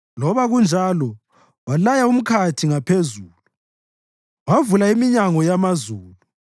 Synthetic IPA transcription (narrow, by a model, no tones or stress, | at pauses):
lɔβaɣund͡ʒʱalɔ | walajaum̩kʰatʰiŋapʰezuːlu | wavulaimiɲaŋɔjamazuːlu